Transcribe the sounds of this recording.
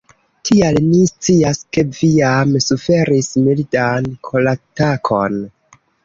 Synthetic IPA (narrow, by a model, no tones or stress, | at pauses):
tʰialnist͡siaskeviamsufe̞ɾismildankʰo̞latakʰo̞n